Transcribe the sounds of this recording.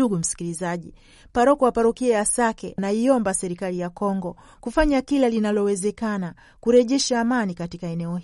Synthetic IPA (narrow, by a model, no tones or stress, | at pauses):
uɡum̩si̥kilizaʄi | paɾɔkɔapaɾɔkiɛasakɛnaiɔmbasɛɾikalijakɔŋɡɔ | kufaɲakilalinalɔwɛzɛkana | kuɾɛʄɛʃaːmanikatikaɛnɛɔ